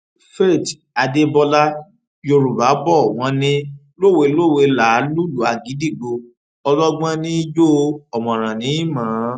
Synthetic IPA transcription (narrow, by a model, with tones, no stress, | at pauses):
fe˦˨ta˧de˦bɔ˧la˦ | jo˧ɾu˨ba˨˦bɔ˦˨w̃ɔ̃˨˧˦nĩ˦ | lo˦˨we˧lo˦˨we˧la˨˦lu˦lu˨˦a˨ɡi˨˦di˦˨ɡ͡bo˧ | ɔ˧lɔ˦ɡ͡bã˦nĩ˦i˦d͡ʒo˦˧ɔ˨mɔ̃˨ɾ̃ã˨nĩ˨˦i˦˨mã˨˦